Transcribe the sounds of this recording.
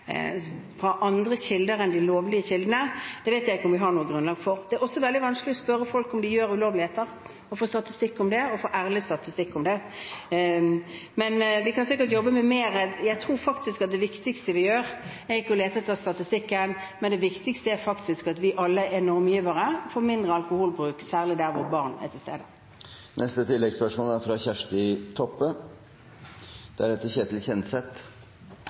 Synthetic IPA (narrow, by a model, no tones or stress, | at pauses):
fɾɑʔɑnd̪ɾəɕɪld̪əɾɛnd̪ɪloːʋlɪəɕɪld̪ənəd̪̥ɛʋɛɪt̪jæɪɪkːʊmʋɪɦɑɳuːəɡʁʉnlɑːɡfɔɾd̪̥ɛæɾɔsːɔʋɛld̪ɪʋɑnsklɪɔspœɾːəfɔlkʊmd̪ɪjøːɾʉloːʋlɪheːt̪əɾ | ɔfoːst̪ɑt̪ɪst̪ɪkːʊmd̪ɛɔfoːʔæːɾlɪst̪ɑt̪ɪst̪ɪkːʊmd̪ɛ | mɛnʋɪkʰɑnsɪkːəʈ̬jɔbːəmɛmeːɾəjæɪt̪ʰʁuːɾfɑkt̪ɪskɑt̪̚d̪ɛʋɪkt̪ɪɡst̪əʋɪjøːɾɛɾɪkːəɔleːt̪ət̪ʰɑst̪ɑt̪ɪst̪ɪkːənmɛnd̪ɛʋɪkt̪ɪkst̪əæɾfɑkt̪ɪskɑt̪ʋɪʔɑlːəʔɛnɔɾmjiːʋəɾəfoɾmɪnd̪ʁəɑlkʊhuːlbɾʉːksæːʁlɪd̪æɾʋʊʁbɑʁnɛ̰t̪ʰɪlst̪ḛːd̪ə | nʔɛst̪ət̪ʰɪlːɛɡspœʂmoːlæɾfɾɑçæʂʈɪt̪ʰɔpːə | d̪̥æɖɛt̪ːəçeːt̪ʰɪlçɛnsɛt̪